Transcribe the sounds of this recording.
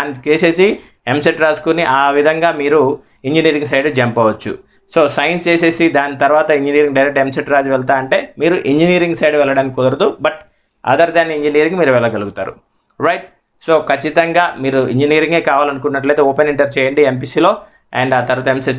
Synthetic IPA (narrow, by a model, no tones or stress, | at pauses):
aːnit͡ʃeːse̞ːsi | emseʈɾaːskuniʔaːʋid̪ʱɐŋɡaːmiːɾu | iɲd͡ʒiniːɾiŋɡsɐjɖd͡ʒɐmpɐʋɐt͡ʃːṵ | so̞ːsɐjɐnst͡ʃe̞ːse̞ːsid̪aːnit̪ɐɾuʋaːt̪ɐiɲd͡ʒiniːɾiŋɡɖɐjɾek̚ʈemseʈɾaːd͡ʒiʋɛɭt̪aːɐɳʈe̞ːmiːɾuʔiɲd͡ʒiniːɾiŋɡsɐjɖʋɛlːɐɽaːnikikːɔd̪ɐɾɐd̪ubɐʈ | ɐ̰d̪ɐɾd̪aːniiɲd͡ʒiniːɾiŋɡmiːɾuʋɛlːɐɡɐluɡut̪aːɾṵ | ɾɐjʈ̚ | so̞ːkɐt͡ʃːit̪ɐŋɡaːmiːɾuḭɲd͡ʒiniːɾiŋɡe̞ːkaːʋaːlɐnuk̬uɳʈːunːɐʈleːt̪eːoːpeniɳʈɐɾt͡ʃɛːjɐɳɖiemp̬iːsiːlo̞ː | ɛ̰ɳɖaːt̪ɐɾʋaːt̪ɐemseʈ